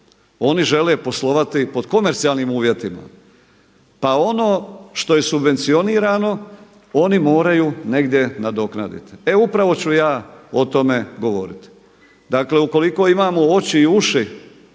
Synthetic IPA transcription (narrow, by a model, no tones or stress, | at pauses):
o̞niʒe̞lepo̞slˠo̞ʋat̪ipo̞d̪ko̞me̞ɾt̪sialnimuːʋje̞t̪ima̰ | pao̞no̞ːʃt̪o̞je̞subʋe̞nt̪sio̞niːɾano̞ | o̞nimo̞ːɾajune̞ɡd̪je̞nad̪o̞kna̰d̪ḭt̪i̥e̞upɾaʋo̞t͡ɕujaːo̞t̪o̞meɡo̞ʋo̞̰ɾit̪i̥ | d̪akle̞uko̞liko̞ːimaːmoo̞t͡ɕiːuʃi